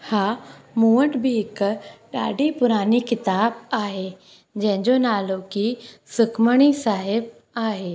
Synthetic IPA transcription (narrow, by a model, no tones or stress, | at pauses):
haːmũːəʈbʱɪɦɪkɗa̰ːɖʱipʊɾaːnikɪt̪aːbaːɦe | d͡ʑɐ̃ɦɪ̃ɲd͡ʑonaːlokisɪkʰməɽ̃isaːɦɪb̚ | aːɦeː